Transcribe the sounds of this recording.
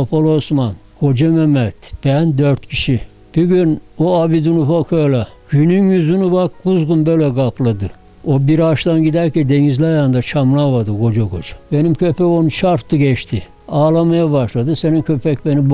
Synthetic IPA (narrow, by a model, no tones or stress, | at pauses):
apʰolˠosman | ɡ̥o̞d͡ʒememɛt̪b̥ænd̪øɾt̪cʰiʃi | b̥yɟynoabid̪unufokʰøjlaɟ̥ynynjyzynubakɡuzɡunbølʲɛɡapʰlˠad̪ɯ | obiɾaʃt̪anɟid̪æɾcɛnd̪eɲizlʲɛjand̪at͡ʃʰamlˠaβad̪ɯɡo̞d͡ʒaɡo̰d͡ʒḁbe̞nimkʰøpɛo̞nut͡ʃʰaɾt̪ʰːɯɟɛt͡ʃt̪ʰi | aːlˠamajaβaʃlˠad̪ɯse̞ninkʰøpʰɛc̚ʲbenib